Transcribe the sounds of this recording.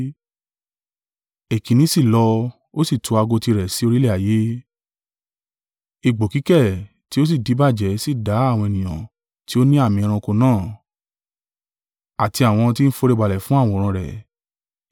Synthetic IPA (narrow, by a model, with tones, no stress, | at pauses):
e˨kĩ˨nĩ˨˦si˦˨lɔ˧ | o˦si˦˨tʰu˨˧a˧ɡo˧ti˧ɾɛ˨si˨˦o˧ɾi˦lɛ˦˨a˨je˦ | i˧˨ɡ͡bo˨ki˨˦kɛ˦˨ | ti˦o˦s̬i˦˨di˨˦ba˦˨d͡ʒɛ˨˦si˦˨da˨˦a˦˨wɔ̃˧e˨nĩ˨j̃ã˨ | ti˦o˦nĩ˦a˦˨mĩ˧ɾ̃ã˧ko˧nãː˦˨ | a˨ti˧a˨w̃ɔ̃˧t̬i˦n̩˦fo˧ɾe˦˧˨ɡ͡ba˨lɛ˨fũ˦a˦˨wɔ̃˧˦˨ɾ̃ã˧ɾɛ̰˨